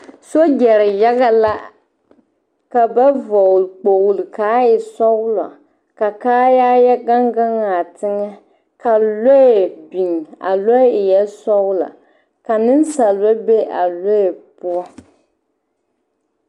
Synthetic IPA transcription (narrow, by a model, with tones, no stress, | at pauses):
so˦d͡ʒɛ˨ɾɪ˨ja˦ɣa˦la˦ | ka˨ba˦vɔ˨lɨ˨k͡po˨ɣlɨ˨kaː˨˦ɪ˨sɔ˦ʊ˦la̰˨ | ka˨kaː˦jaː˦jɛ˦ɡa˦ŋɡa˦ŋa˨tɪ˦ŋɛ˦ | ka˨lo˦e˨bi˨ŋ˨a̰˨lɔ˦ɪ˨jɛ˦sɔ˦ʊ˦la̰˨ | ka˨nɨ˦nsa˨lɨ˨ba˦be˦ʔa̰˨lo˦˨pʊ˦ɔ˦